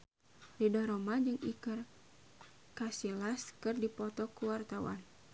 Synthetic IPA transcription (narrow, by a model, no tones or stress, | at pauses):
ridɔɾɔmad͡ʒɨŋikər | kasilaskɨrdipɔt̪ɔkuwart̪awa̰n